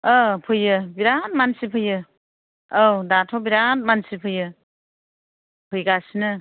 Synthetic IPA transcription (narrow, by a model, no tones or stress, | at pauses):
apʰɯjɯbiɾanmansipʰɯjɯ | owdatʰɔbiɾant̚mansipʰɯjɯ | pʰɯjɡasinɯ